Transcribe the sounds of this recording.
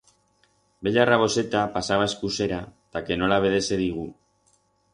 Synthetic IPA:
be̞ʎaraβ̞o̞se̞t̪apasaβae̞skuse̞ɾat̪ake̞no̞laβ̞e̞ð̞e̞se̞ðiɣ̞u

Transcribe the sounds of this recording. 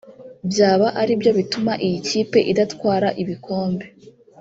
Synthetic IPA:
bjaːβaʔaɾibjo̞βitumaʔijiciːpe̞ʔidatkwaːɾaʔiβikʰo̞ːmbe̞

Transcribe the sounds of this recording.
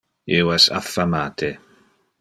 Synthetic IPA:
ɪwɛsa̰θamatʰɪ

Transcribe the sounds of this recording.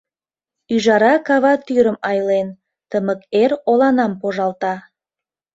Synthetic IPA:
yʒɑɾɑkɑβɑt̪yɾəmɑjlen | t̪əməkerolɑnɑmpoʒɑlt̪ɑ

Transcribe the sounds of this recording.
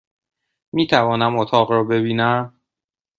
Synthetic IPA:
miːt̪ʰævɒːnæmot̪ʰɒːɣɾɒːbe̞biːnæm

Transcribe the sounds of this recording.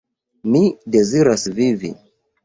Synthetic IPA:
mide̞ziɾasvivi

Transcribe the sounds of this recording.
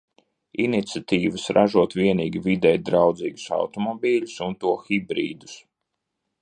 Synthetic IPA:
init̪sʲat̪iːvɨsɾʔaʒuɔt̪vʲiɛniːɡʲivid̪ɛjd̪ɾawd̪ziːɡu̥sa̰wt̪ɔmɔbʲiːlʲu̥sunt̪uɔxibɾḭːd̪u̥s

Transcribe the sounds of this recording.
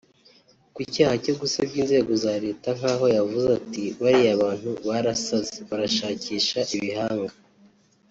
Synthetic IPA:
kicaːhaco̞ɡusabɟiːnze̞ːɡo̞zaːɾe̞ːtaŋ̥aːɦo̞javuzatiβaɾiaβaːn̥huβaɾasazeβaɾaʃaːciːʃaʔiβihaːŋɡa

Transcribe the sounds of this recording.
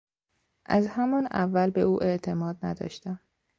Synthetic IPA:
ʔæzhæmɒnæ̰vːælbeuːʔe̞ʔt̪ʰe̞mɒːd̪̚næ̰d̪ɒ̰ːʃt̪æm

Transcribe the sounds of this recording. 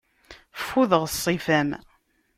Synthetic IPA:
fuðəʁsˤːifæm

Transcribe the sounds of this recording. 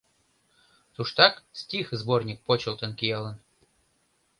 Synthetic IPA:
t̪uʂt̪ɑksʲtʲixzbornʲik̚pot͡ɕɪ̆lˠt̪ə̆nkʲijɑlˠɤ̆n

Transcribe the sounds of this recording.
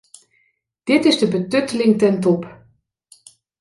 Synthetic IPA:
d̥ɪtɪzdəbətøtəlɪŋtɛntɔp

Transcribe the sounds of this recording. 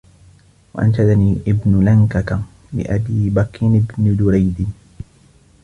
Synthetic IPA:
wa̰ʔa̰nʃad̪aniːʔɪbnʊlaŋkak̪a | bɪ̰ʔabiːbakːinɪbnʊd̪ʊɾajd̪ɪ

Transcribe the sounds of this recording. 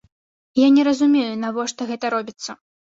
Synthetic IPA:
janʲɛɾɐzumʲejunavɔʂt̪ɔɣɛt̪ɐɾɔbʲit̪sːɐ

